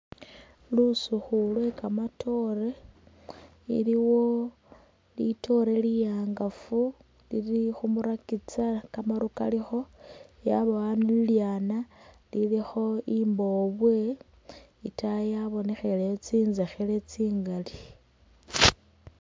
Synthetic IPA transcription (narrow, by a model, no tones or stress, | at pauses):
lusuxulwe̞kamatʰo̞re | ḭliwo̞ | lḭto̞ɾelijaːŋɡafu | lḭlixumuɾakit͡sakamaɾuka̰lixo̞jaβaanililjaːna | lilixo̞imbo̞βwe̞ | itajaβo̞ne̞xelet͡siːnzexele̞t͡siːŋɡali